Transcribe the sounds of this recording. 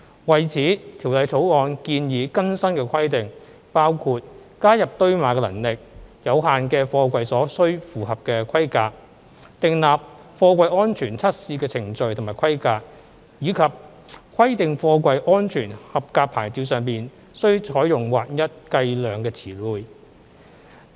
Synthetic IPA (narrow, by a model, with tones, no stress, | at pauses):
wɐ˨˩jt͡sʰiː˨˥t̪ʰiː˨˩wlɐ˨˥jt͡sʰo˨˥wɔː˨˧nkiː˧njiː˨˧kɐ˥nsɐ˥nkɛː˧kʰɐ˥jt̪ɪ˨ŋ | paː˥wkʰuː˧t̚kaː˥jɐ˨p̚t̪ɵ˥ɥmaː˨˧˥kɛː˧lɐ̰˨˩ŋlɪ˨k̚jɐ˨˧whaː˨nkɛː˧fɔː˧kʷɐ˧jsɔː˨˥sɵ˥ɥfuː˨hɐ˨p̚kɛː˧kʷʰɐ˥jkaː˧k̚ | t̪ɪ˨ŋlaː˨p̚ | fɔː˧kʷwʷɐ˧jɔː˥nt͡ʃʰyː˨˩nt͡sʰɐ˥t̚siː˧kɛː˧t͡sʰɪ˨˩ŋt͡sɵ˨˧ɥt̪ʰmaː˨˩jkʰɐ˥jkaː˧k̚ | jiː˨˧kʰɐ˨p̚ | kʰɐ˥jt̪ɪ˨ŋfɔː˧kʷɐ˧jʔɔː˥nt͡ʃʰyː˨˩nhɐ˨p̚kaː˧k̚pʰaː˨˩jt͡siː˨˧wsœː˨ŋpiː˨n | sɵ˥ɥt͡ʃʰɔː˨˥jʊ˨˩ŋwaː˨˩t̚jɐ˥t̚kɐ˧jlœː˨ŋkɛː˧t͡sʰiː˨˩luː˨j